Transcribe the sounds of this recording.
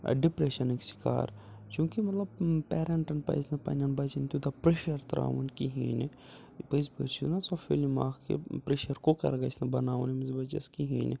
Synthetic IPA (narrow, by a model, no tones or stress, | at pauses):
ɖipɾeʃɐniksi̥ka̰ːɾ | t͡ʃjũːkimɐt̪lɐb̚pɛːɾɐɳʈɐnpɐ̰jznɐpɐ̰nʲɐnbɐt͡ʃinit̪ud̪ɐpɾeːʃɐɾt̪ɾa̰ːʋɐnkiɦḭːne | pɐzpə̰ɾt͡ʃʰinɐsɐfḛlimaːkkḛpɾeːʃɐɾkokɐ̰ɾɡɐsnɐbɐnaːʋunimizbɐt͡ʃɐ̰skiɦĩːne